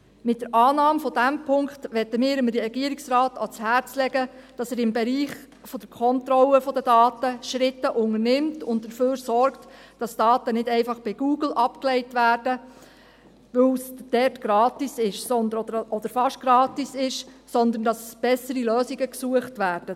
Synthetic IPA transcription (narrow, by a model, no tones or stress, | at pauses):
mɪt̚d̥əɾʔɑːnɑːmfɔdæmpʰʊŋkχtʋɛtːəmɪːɾəmɾɾɛɡ̥iəɾiksrɑːtɑt͡shæɾt͡slɛɡəd̥ɑsɛːɾɪmbɛɾiːχ | fɔd̥əɾkʰɔnt̪ɾɔləfɔd̪ədɑːt̪əʃɾɪtːəʔʊŋərnɪmtʊnt̚d̥əføːɾsɔrktd̥ɑsd̥ɑːtənɪdɛɪfɑχb̥iɡ̥uːɡl̩ʔɑpklɛɪtʋæːrdə | ʋɵwsd̥ɛrtɡ̥ɾɑːtisɪʃsɔnd̪əɔd̪əɾfɑʃɡ̥ɾɑːtisɪʃsɔnd̪ən̩dɑsb̥ɛsəɾiløːsiɡəksuəχtʋæːɾd̥ə